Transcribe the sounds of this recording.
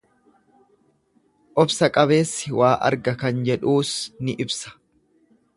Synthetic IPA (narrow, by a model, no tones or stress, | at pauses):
ʔɔbsɐkʼɐβe̞ːsːɪwʔaːʔɐ̰ɾɡɐkɐnd͡ʒɛᶑuːsnɪʔɪbsɐ̥